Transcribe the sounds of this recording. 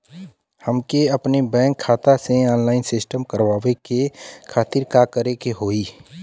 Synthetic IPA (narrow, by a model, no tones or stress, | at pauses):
həmkeəpnebɛ̃ːŋkʰːaːt̪aseɔːnlaːɪnsɪsʈəmkəɾʋaːʋekekʰaːt̪iɾkakəɾekeɦoːi